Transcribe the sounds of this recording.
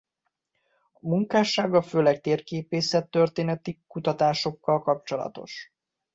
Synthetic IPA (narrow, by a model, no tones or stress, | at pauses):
ɒmuŋkaːʃaːɡɒføːlɛk̚t̪eːrkeːpeːsɛt̪ːø̞rt̪eːnɛt̪ikut̪ɒt̪aːʃo̞kːɒlkɒp̚t͡ʃo̞lɒ̰t̪o̞̰ʃ